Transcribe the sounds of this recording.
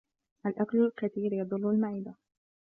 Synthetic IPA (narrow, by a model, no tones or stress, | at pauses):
ʔalʔaklʊlkat̪iːɾjɑd̪ˤɨlːʊlmaʕiːd̪a